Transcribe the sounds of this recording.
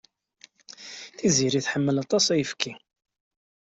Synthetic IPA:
θiziɾiθħəmːəlɑt̪ˤɑsˤæjəfki

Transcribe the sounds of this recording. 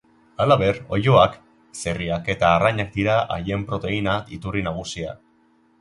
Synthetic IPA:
alaβe̞ɾo̞̰jo̞ak | se̞riake̞t̪aːraɲak̚d̪iɾaʔa̰je̞mpɾo̞t̪e̞inait̪urinaɣ̞usia̰

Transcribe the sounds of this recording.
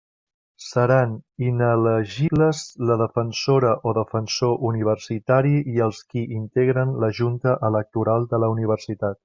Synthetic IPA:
səɾaninələʒibləzləðəfənsoɾəʔoðəfənsoʔuniβ̞ərsit̪aɾiiəlˠskiʔint̪eɣɾənləʒunt̪əʔələk̚t̪uɾalˠd̪ələuniβ̞ərsit̪at̪̚

